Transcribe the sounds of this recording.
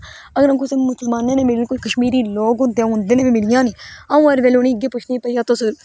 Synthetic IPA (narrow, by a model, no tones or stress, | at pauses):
əɡəɾãkʊsemʊsəlmaːnẽːneːmɪliːnːkoːiːkəʃmiːɾiːloːɡɦʊ̃nd̪eãɦʊ̃nd̪eːneːimɪlɪjãːniːaːũːaɾʋeːlonĩːɪɡeːpʊt͡ʃʰnĩːpəiːãːt̪ʊs